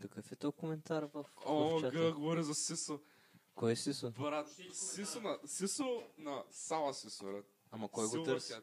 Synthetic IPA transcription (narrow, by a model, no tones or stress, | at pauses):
kɐkəfɛt̪ɔjkomɛnt̪aɾvɐfɔt͡ʃaɡəɡovɔɾizɐsisə | kɔjɛsisobɾat̪sisənɐsisənɐsalˠɐsisoɾɛ | amɐkɔjɡot̪əɾsi